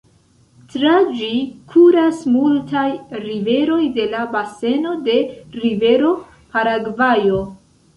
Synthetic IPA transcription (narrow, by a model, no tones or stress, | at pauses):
tɾad͡ʒikʰuɾasmultajɾive̞ɾo̞jde̞labase̞no̞de̞ɾive̞ɾo̞ | paɾaɡvajo̞